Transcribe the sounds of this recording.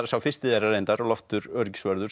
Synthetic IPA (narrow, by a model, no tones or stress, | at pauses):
ɾsawfɪ̥st̪ɪðɛɾaɾejnt̪aɾɔɣlɔft̪ʏɾœɾcsvœɾðʏ̥